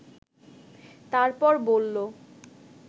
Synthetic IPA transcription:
t̪aɾpɔɾbolːo

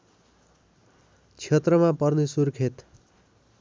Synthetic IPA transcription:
t͡sʰet̪rʌmapʌrnesurkʰet̪

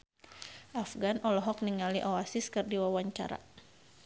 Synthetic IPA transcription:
ʔafɡanʔɔlɔɦɔk̚niŋaliʔɔwasiskɨrdiwawaɲt͡ʃa̰ɾa̰

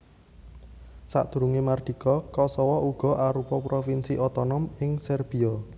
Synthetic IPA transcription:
sa̰ʔd̪̥ṳɾuŋemard̪̥i̤kɔkɔsɔwɔʔuɡ̥ɔ̤ʔaɾupɔpɾofinsiʔɔt̪ɔnɔmɪŋsɛrb̥iɔ

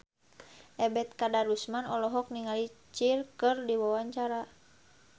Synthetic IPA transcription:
ʔɛbɛt̪̚kadaɾusmanɔlɔɦɔk̚niŋalit͡ʃirkɨrdiwawaɲt͡ʃaɾa

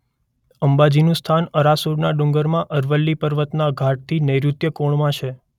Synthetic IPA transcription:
əmbad͡ʒinũst̪ʰanəɾasuɾnaɖũŋɡəɾmãʔəɾʋəlːipəɾʋət̪naɡʱaʈ̚t̪ʰinəjɾut̪jəkoɳmãt͡ʃʰe

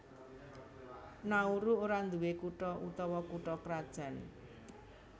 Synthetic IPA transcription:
nauɾuoɾand̪uwekuʈɔʔut̪ɔwɔkuʈɔkɾad̥ʒ̥a̤n

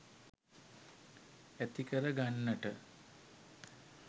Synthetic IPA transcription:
æt̪ikəɾəɡanːəʈə

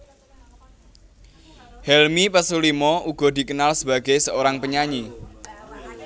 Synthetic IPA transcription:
hɛlmipəsulimɔuɡ̥ɔ̤d̪i̤kənalsəba̤ɡa̤jsəoɾaŋpəɲaɲi

